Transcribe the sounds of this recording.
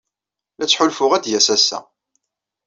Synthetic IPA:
læt͡sːħʊlfʊʁæd̪jæsæsæ̰

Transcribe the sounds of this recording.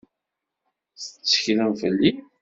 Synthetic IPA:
θət͡sːə̥çɾəfəlːi

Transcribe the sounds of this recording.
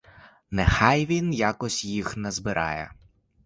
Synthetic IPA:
nɛxɑjʋʲinjakɔsʲjixnɐzbɪɾʔɑ̰jɛ̰

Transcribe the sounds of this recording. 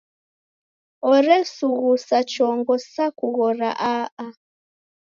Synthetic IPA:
ɔɾɛsuɣusat͡ʃɔŋɡɔsakuɣɔɾa̰ʔaa

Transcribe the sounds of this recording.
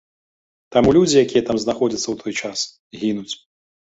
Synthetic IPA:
t̪amulʲud͡zʲijakʲijɐt̪amznaxɔd͡zʲɐt̪sːɐwt̪ʰɔjt͡ʂas | ɣʲinut͡sʲ

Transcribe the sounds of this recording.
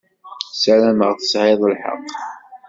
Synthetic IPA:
sælæməʁθə̥sʕeðˤəlħə̰qː

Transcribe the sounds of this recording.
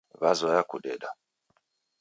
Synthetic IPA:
βazɔjakudɛda

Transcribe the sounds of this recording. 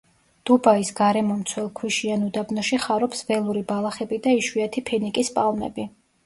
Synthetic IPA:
d̪̥ubaisɡaɾɛmɔmt̪sʰwɛlˠkʰwiʃianud̪abnɔʃiχaɾɔpsvɛlˠuɾibalˠaχɛbid̪aiʃwiat̪ʰipʰɛnikʼispʼalˠmɛ̰bi

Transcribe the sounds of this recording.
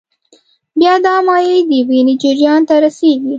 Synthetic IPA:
bjɑd̪ɑmɑjed̪əbinid͡ʒɪɾjɑnt̪aɾaseɡi

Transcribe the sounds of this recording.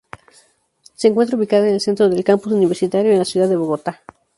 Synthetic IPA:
se̞ːŋkwet̪ɾauβikaðoenelse̞nt̪ɾo̞ðe̞lkampusuniβe̞ɾsit̪aɾjo̞enlasjuðaðeβo̞ɣo̞t̪a

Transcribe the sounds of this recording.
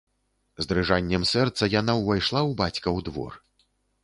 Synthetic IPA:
zd̪ɾɨʐanʲːɛmsɛrt̪sɐjanawvajʂlˠawbat͡sʲkɐwd̪vɔ̰r

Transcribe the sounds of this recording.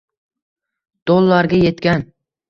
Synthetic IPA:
d̪̥olˠːaɾɡʲaje̞t̪kʲan

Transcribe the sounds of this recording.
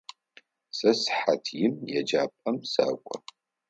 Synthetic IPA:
sɐsħatʰjɪmjɛd͡ʒaːpʼɐmsa̰ːkʷʼɔ̰

